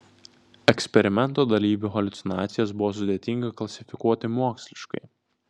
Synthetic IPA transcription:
ɛksʲpʲɛɾʲɪmʲɛnˑt̪oːd̪ɐlʲiːʋʲuxɔlʲʊt̪sʲɪnɑːt̪sʲɪjɛsbʊʋoːs̬ʊd̪ʲeɛt̪ʲɪŋɡɐklˠɐsʲɪfʲɪkuɔt̪ʲɪmuɔksʲlʲɪʃkɐ̰ɪ

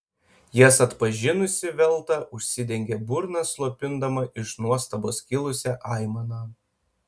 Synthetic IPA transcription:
jisɐt̪pɐʒʲɪnʊsʲɪʋʲɛlˠt̪ɐʊʃʲsʲɪd̪ʲɛŋʲɡʲebʊɾnɐslˠoːpʲɪnd̪ɐmɐʔɪʃnuɔst̪ɐboːskʲɪlˠʊsʲɛʔɑˑɪmɐnɑː

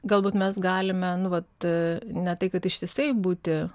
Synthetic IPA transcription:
ɡɐlˠbuːt̪mʲɛs̬ɡɑːlʲɪmʲɛnʊʋɐt̪nʲɛt̪ɐɪkɐt̪ɪʃʲt̪ʲiɛsɐɪbuːt̪ʲɪ

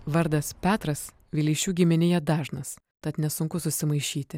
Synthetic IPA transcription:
ʋɐɾd̪ɐspʲæːt̪ɾɐs | ʋʲilʲiːʃʲuːɡʲɪmʲɪnʲɪjɛd̪ɑːʒnɐs | t̪ɐt̪nʲɛsʊŋkʊsʊsʲɪmɐɪʃʲiːt̪ʲɪ

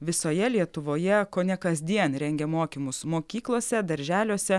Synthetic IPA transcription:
ʋʲɪsoːjɛlʲiɛt̪ʊʋoːjɛkoːnʲɛkɐzʲd̪ʲiɛnɾʲɛŋʲɡʲɛmoːkʲimʊsmoːkʲiːklˠoːsʲɛd̪ɐɾʲʒʲæːlʲoːsʲɛ

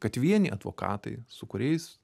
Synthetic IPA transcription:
kɐt̪ʋʲiɛnʲɪʔɐd̪ʋo̰ːkɑ̰ːt̪ɐ̰ɪsʊkʊɾʲɛɪs

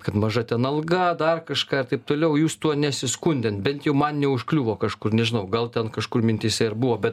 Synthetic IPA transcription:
kɐt̪mɐʒɐt̪ʲɛnɐlˠɡɐd̪ɐrkɐʃkɑːɪɾt̪ɐɪp̚t̪oːlʲɛʊjuːst̪uɔnʲɛsʲɪskʊnʲd̪ʲɛnt̪bʲɛnt̪jɛʊmɐnnʲɛʊʃklʲuːʋoːkɐʃkʊrnʲɛʒʲɪnɐʊɡɐlˠt̪ʲɛnkɐʃkʊrmʲɪnʲt̪ʲisʲɛɪɾbuʋoːbʲɛt̪

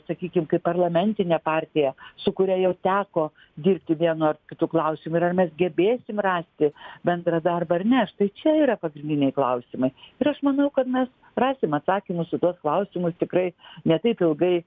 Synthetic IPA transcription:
sɐkʲiːkʲɪmkɐɪpɐrlˠɐmʲɛnʲt̪ʲɪnʲɛpɑːrʲt̪ʲɪjɛsʊkʊɾʲæjɛʊt̪ʲæːkoː | d̪ʲiːrʲp̚ʲt̪ʲɪʋʲiɛnʊːɐrkʲɪt̪uːklˠɐʊsʲɪmʊɪɾɐrmʲɛsɡʲɛbʲeːsʲɪmrɑːsʲt̪ʲɪbʲɛnd̪ɾɑd̪ɐrbɐɐrnʲɛʃt̪ɐɪt͡ʃʲɛiːɾɐpɐɡɾʲɪnd̪ʲɪnʲɛɪklˠɐʊsʲɪmɐɪɪɾɐʃmɐnɐʊkɐt̪mʲɛs | rɑːsʲɪmɐt̪sɑːkʲɪmʊssʊt̪uɔsklˠɐʊsʲɪmʊst̪ʲɪkɾɐɪnʲɛt̪ɐɪpɪlˠɡɐɪ

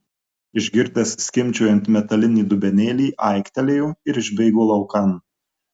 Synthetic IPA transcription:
ɪʒʲɡʲɪɾʲd̪ʲɛssʲkʲɪmʲt͡ʃʲuːjɛnt̪mʲɛt̪ɐlʲɪnʲiːd̪ʊbʲɛnʲeːlʲiːʔɐˑɪkʲt̪ʲɛlʲejoːɪɾɪʒʲbʲɛɪɡoːlˠɒʊkɐn

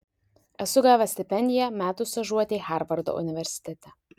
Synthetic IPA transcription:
ɛsʊɡaːʋʲɛsʲt̪ʲɪpʲɛnʲd̪ʲɪjɛmʲæːt̪ʊst̪ɐʒuɔt̪ʲeːxʲæˑɾʋɐɾd̪o̰ʔʊ̰nʲɪʋʲɛɾʲsʲɪ̥t̪ʲɛt̪ʲɛ

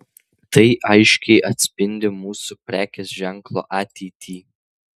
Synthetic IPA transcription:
t̪ɐɪʔɐɪʃʲkʲɛɪʔɐt̪ʲsʲpʲɪnʲd̪ʲɪmuːsupʲɾʲæːkʲesʒʲɛŋklˠo̰ːʔɑːt̪ʲɛɪt̪ʲʰiː

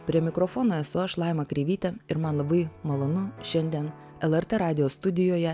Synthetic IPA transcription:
pʲɾʲiɛmʲɪkɾofoːnoːɛsʊɐʃlˠɑˑɪmɐkɾʲɛʋʲiːt̪ʲɛɪɾmɐnlˠɐbɐɪmɐlˠoːnʊʃʲɛnʲd̪ʲiɛn | ɛlˠɛɾʲt̪ʲɛɾɑːd̪ʲɪjoːst̪ʊd̪ʲɪjoːjɛ

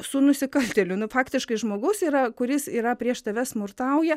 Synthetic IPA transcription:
sʊnʊsʲɪkɐlʲt̪ʲɛlʲʊnʊfɑːkt̪ʲɪʃkɐɪʒmoːɡʊsiːɾɐkʊɾʲɪsiːɾɐpʲɾʲiɛʃt̪ɐʋʲɛsmʊrt̪ɐʊjɛ

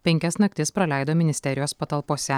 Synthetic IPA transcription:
pʲɛŋʲkʲɛsnɐk̚t̪ʲɪspɾɐlʲæˑɪd̪oːmʲɪnʲɪsʲt̪ʲɛɾʲɪjoːspɐt̪ɐlˠpoːsʲɛ

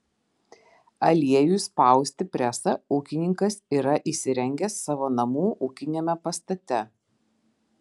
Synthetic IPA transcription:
ɐlʲiɛjuːˑspɐˑʊsʲt̪ʲɪpʲɾʲɛsɐuːkʲɪnʲɪŋkɐsiːɾɐʔiːˑsʲɪɾʲɛŋʲɡʲɛsːɑːʋoːnɐmuːʔuːkʲɪnʲemʲɛpɐst̪ɐt̪ʲɛ

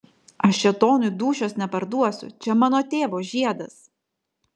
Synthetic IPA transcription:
ɐʃt͡ʃʲɛt̪oːnʊd̪uːʃʲoːsnʲɛpɐɾd̪uɔsʲʊ̰t͡ʃʲɛmɑːnoːt̪ʲeːʋoːʒʲiɛd̪ɐs

